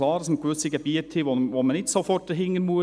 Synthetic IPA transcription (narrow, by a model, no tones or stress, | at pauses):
lɑːɾdɑsməkʋʏsiɡɛbiətʰhɪʋoʋoːmənɪt̪sofɔtəɦɪŋːənmuə